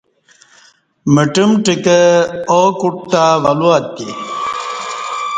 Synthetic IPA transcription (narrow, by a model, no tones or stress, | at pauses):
məʈimʈikəokuʈ̚t̪aʋɐluat̪ːḭ